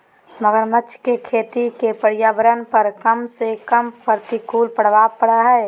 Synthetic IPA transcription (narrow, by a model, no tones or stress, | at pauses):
məɡəɾmət͡ʃʰkekʰeːt̪ikepəɾjaːbəɾənpəɾkəmsekəmpəɾt̪ikuːlpəɽ̤ʋapəɽaɦɛː